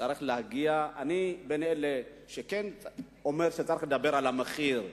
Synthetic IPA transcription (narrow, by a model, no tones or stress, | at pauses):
aʁiχlehaɡiaanibenele | ʃeken | omeʁʃet͡saɾiχled̪abe̞ɾalameχiʁ